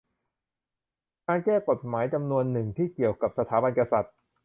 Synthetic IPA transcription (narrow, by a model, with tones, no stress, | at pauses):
kaː˧nkɛː˥˩ko˨˩t̪̚maː˩˦˥jt͡ɕa˧mnu˧ənːɯ˨˩ŋt̪ʰiː˥˩ki˨˩əwka˨˩p̚sa˧t̪ʰaː˩˦ba˧nka˧sa˨˩t̪̚